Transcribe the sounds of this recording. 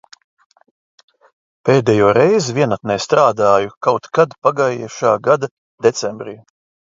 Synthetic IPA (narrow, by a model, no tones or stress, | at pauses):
peːd̪ɛjuːɾɛjzvʲiɛnat̪̚nɛːst̪ɾaːd̪aːjukawt̪kad̪paɡajɛːʃaːɡad̪a | d̪et̪sɛmbɾḭː